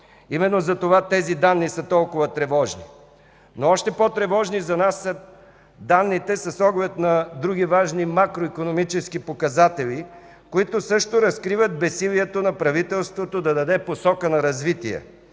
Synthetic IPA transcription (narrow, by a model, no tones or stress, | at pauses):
imɛnːozɐt̪ovat̪ɛzid̪anːisət̪ɔlˠkʊvɐt̪ɾɛvɔʒni | noɔʃt̪ɛpɔt̪ɾɛvɔʒnizɐnasːə | d̪anːit̪ɛsɐsɔɡlɛt̪nɐd̪ɾuɡ̟ivaʒnimakɾoikonomit͡ʃɛskipokɐzat̪ɛlʲi | koit̪osɤʃt̪oɾɐskɾivət̪̚bɛsilʲiɛt̪onɐpɾɐvit̪ɛlˠst̪vot̪od̪ɐd̪ɐd̪ɛposɔkənɐɾɐzvit̪iɛ̰